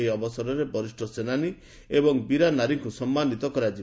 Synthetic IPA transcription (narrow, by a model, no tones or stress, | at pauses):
jɔbɔsɔɾɔɾebɔɾisʈʰɔsenani | ebɔŋbiɾanaɾiŋkusɔmːanit̪ɔkɔɾad͡ʒi